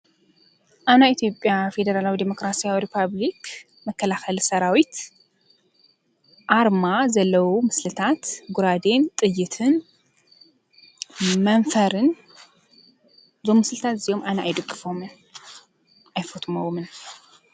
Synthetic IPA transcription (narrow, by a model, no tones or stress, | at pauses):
ʔaβnajit̪ʰjo̞pʼjafe̞d̪ɐɾalawid̪emo̞kɾasijawiɾipʰaβlik | mɐkʰːɐlaxɐlsɐɾawit̪ | ʔaɾmazɐlːɐwumɨslɨt̪ʰat̪ɡuɾad̪e̞nt̪ʼɨjːɨt̪ʰɨn | mɐnfɐɾɨn | zomːɨslɨt̪ʰat̪zijo̞mʔanɐʔajd̪ɨɡːɨfomɨn | ʔajfot̪ʼumowmɨn